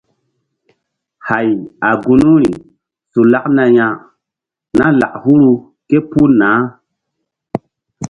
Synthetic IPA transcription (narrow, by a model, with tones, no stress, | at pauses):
ha˨ja˨ɡu˦nu˦ɾi˨ | su˨la˦kna˧jã˧ | na˦la̰˨ʔhu˦ɾu˧ | ke˦pu˦nãː˨˦